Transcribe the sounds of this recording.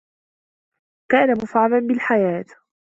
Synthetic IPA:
kaːnamʊfʕamanbɪlħajaːt̪

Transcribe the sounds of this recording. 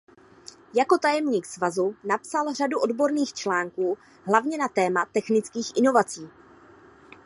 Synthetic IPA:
jako̞t̪ajɛmɲiːksvazunapsalr̝aduʔo̞dbo̞ɾniːxt͡ʃlaːŋkuː | ɦlavɲɛnat̪ɛːmat̪ɛxnɪt͡skiːxʔɪno̞vat͡siː

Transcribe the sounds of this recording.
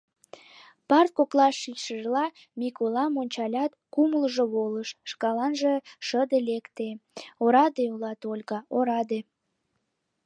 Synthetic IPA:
pɑrt̪̚koklɑʃːiʃəʒlɑ | mʲikolɑmonʲt͡ɕɑlʲɑt̪kuməlʒoβoləʃʃkɑlɑnʒeʃəd̪elekt̪eoɾɑd̪eulɑt̪olʲɣɑoɾɑd̪e

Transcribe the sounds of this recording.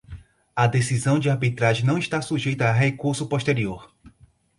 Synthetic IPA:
ɐd̪esizɐ̃w̃d͡ʒɪaɾbit̪ɾaʒẽnɐ̃w̃iʃt̪asuʒejt̪ɐːɦekuɾsʊpoʃt̪eɾioɾ

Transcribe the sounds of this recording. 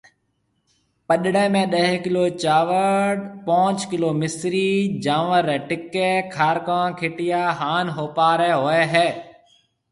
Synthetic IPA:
pəɗɽẽːmẽːɗəɦkɪloːt͡ʃaːʋəɖpõːt͡ʃkɪloːmɪsɾiːd͡ʒaːʋəɾɛːʈɪkeːkʰaːɾkãːkʰeːʈɪjaːɦaːnɦoːpaːɾɛːɦoːeːɦɛː

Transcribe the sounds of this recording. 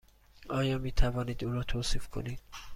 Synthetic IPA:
ɒːjɒːmiːt̪ʰævɒːniːd̪uːɾɒːt̪ʰoːsiːfkʰo̰niːd̪̥̚

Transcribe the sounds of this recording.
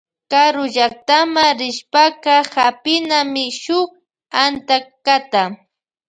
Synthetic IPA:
kaɾʊʎak̚t̪amaɾɪʃpakahapɪnamɪʃʊχ | ant̪akat̪a

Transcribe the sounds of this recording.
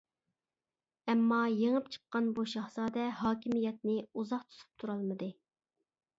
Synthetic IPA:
ɛmːɑjeŋəpt͡ʃʰə̥qːɑnbuʃɑhsɑːd̪ɛɦɑːkʲʰimijɛt̪̚nɪuzɑqt̪ʰu̥t̪ʰu̥p̚t̪ʰuɾɑlˠmɨd̪ɨ

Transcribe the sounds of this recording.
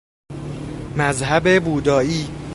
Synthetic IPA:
mæzɦæbebuːd̪ɒːiː

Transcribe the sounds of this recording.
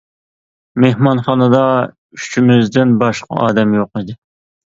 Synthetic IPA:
mehmɑnχɑnɨd̪ɑ | yyt͡ʃʰimɪzd̪ɪnbɑʃqʰɑ̰ɑ̰ːd̪ɛmjoqid̪ɪ

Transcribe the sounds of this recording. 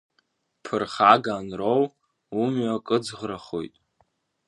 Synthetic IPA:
pʰɨrχaɡaːnrow | umɥakʼɨd͡zʁraχo̰jtʼ

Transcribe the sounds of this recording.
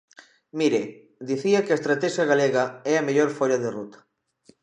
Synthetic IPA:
miɾe | d̪iθiakeaest̪ɾat̪ɛʃjaɣaleɣɐɛɐmeʎoɾfoʎaðerut̪ɐ̥

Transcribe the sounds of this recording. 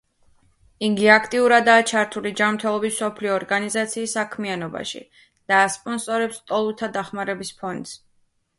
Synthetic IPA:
iɡiakʰt̪ʼiuɾad̪aːt͡ʃʰaɾt̪ʰulid͡ʒamɾt̪ʰɛlˠɔbisɔpʰliɔːɾɡanizat̪sʰiːsːakʰmianɔba̰ʃḭ | d̪̥aːspʼɔnsʼɔɾɛpst̪ʼɔlˠut̪ʰad̪aχmaɾɛbispʰɔnd̪z̥

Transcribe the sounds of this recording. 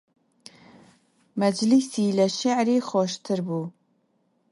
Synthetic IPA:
mæd͡ʒlisiːlɐʃaʕɾiːxɔːʃt̪ʰɨɾbuː

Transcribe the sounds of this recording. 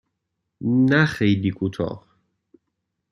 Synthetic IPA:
næxejlikʰut̪ʰɒ̰ːh

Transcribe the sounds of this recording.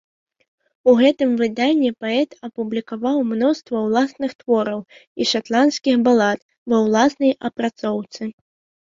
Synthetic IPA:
uɣɛt̪ɨmvɨd̪anʲːɛpaɛt̪ɐpublʲikavawmnɔst̪vɐwlˠasnɨxt̪vɔɾɐwiʂat̪lˠanskʲixbalˠat̪ | vɐwlˠasnɐjɐpɾat̪sɔwt̪sɨ

